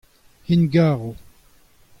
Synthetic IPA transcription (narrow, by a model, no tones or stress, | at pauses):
hinɡaːʁu